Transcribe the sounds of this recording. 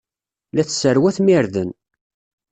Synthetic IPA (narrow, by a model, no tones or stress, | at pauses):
læθsəɾwæθmiɾðən